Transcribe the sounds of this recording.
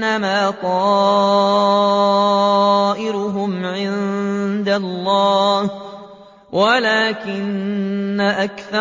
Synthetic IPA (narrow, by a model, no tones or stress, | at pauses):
amaːt̪ˤɑː | ʔɪɾʊɦʊmʕɪnd̪alˤːɑːh | walaːkɪnː | aʔakθɑ